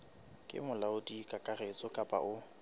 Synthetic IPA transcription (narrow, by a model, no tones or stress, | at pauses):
kʼɪ̰mʊlaʊdikʼakʼaret͡sʼɔkʼapʼa̰ʔʊ